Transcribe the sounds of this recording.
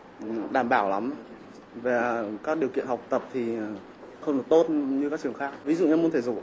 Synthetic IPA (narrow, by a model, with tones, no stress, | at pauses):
ɗaː˧˩mɓaː˧˩wla˨˦m | ve˨˩kaː˦˥k̚ɗi˨˩əwkḭ˧˨ənha˨˩wk͡p̚t̪ə˨˩p̚t̪ʰi˨˩ | xə˧wŋ͡mɗɨ˨˩ək̚t̪o˦˥t̚ɲɨ˧kaː˦˥k̚t͡ɕɨ˨˩əŋxaː˦˥k̚vi˨˦zṵ˧˨ɲa˧m˧ənt̪ʰe˧˩zṵ˧˨